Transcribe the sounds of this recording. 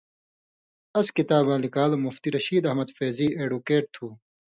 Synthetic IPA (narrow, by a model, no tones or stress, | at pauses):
ɐskit̪aːbãːlikaːlmuft̪iɾɐɕiːd̪ɐhmɐd̪feːziːeːɖukeːʈ̚t̪ʰuː